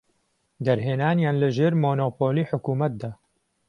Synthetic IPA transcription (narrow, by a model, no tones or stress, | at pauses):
d̪ɐɾɦeːnaːnjaːnləʒeːɾmoːnoːpoːliːħʊkuːmɐt̪̚d̪aː